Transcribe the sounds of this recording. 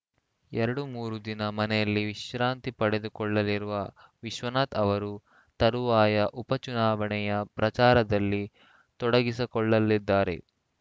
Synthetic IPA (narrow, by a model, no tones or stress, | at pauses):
ɛɾɐɽumuːɾud̪inɐmɐnɛjɐlːiʋiʃɾaːnt̪ipɐɽe̞d̪ukɔɭːɐliɾuʋɐʋiʃʋɐnaːt̪ɐʋɐɾu | t̪ɐɾuʋaːjɐʔupɐt͡ʃunaːʋɐɳɛjɐpɾɐt͡ʃaːɾɐd̪ɐlːi | t̪ɔɽɐɡisikɔɭːɐlːid̪ːaːɾe̞̰